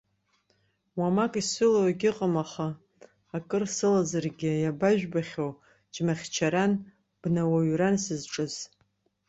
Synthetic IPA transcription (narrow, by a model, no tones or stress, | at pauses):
wamakʼisɨlowaɡʲɪqʼamaχaː | kʼɨrsɨlazarɡʲɪjabaʒᶣbaχʲow | t͡ʃʼmaχʲt͡ʃʰaɾan | b̥nawaɥransɨzʈ͡ʂʼɨz̥